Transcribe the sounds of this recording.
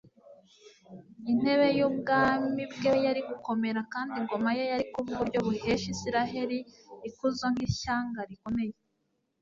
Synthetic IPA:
in̥he̞βe̞juːb̚ɡaːmibɡejaɾiɡuko̞me̞ɾakaːndiŋɡo̞majejaɾikuβuβuɾɟo̞βuhe̞ːʃisiɾaɦe̞ɾi | ikuzaŋ̥hiʃaːŋɡaɾiko̞me̞je

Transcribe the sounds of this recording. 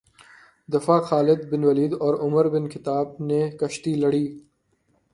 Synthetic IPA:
d̪ɪfaːxaːlɪd̪bɪnwɐliːd̪ɔːɾʊmɐɾbɪnkʰɪt̪aːb̚nekɐʃʈ̪iːlɐɽiː

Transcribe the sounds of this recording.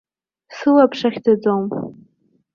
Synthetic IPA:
sɨlapʰʂaχʲdad͡zom

